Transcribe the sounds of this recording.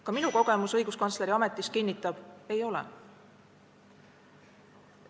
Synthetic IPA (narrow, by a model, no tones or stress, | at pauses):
kɑminuko̞ɡ̥e̞musɤ̞jɡ̥uskɑntsle̞ɾiɑme̞t̪ːˑiskinʲːit̪ːˑɑb̥e̞jo̞lɛ̰